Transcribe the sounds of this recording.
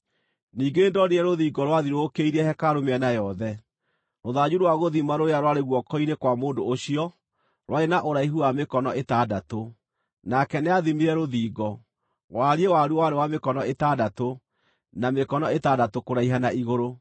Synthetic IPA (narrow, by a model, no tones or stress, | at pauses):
niːɡeːndɔɾeɛɾoðiːɡɔɾwaðiɾokeiɾɛhɛkaɾomeɛnajɔðɛ | ɾoðad͡ʑuɾwaɣoðimaɾojaɾwaɾeɣwɔkɔinekwamoːndoːɕiɔ | ɾwʔaenaʔoɾaiɦuamekɔnɔetadato | nakɛneaðimiɾɛɾoðiːɡɔ | waɾiewaɾuwaɾewamekɔnɔetadato | namekɔnɔetadatokoɾaiɦanaiɣoɾo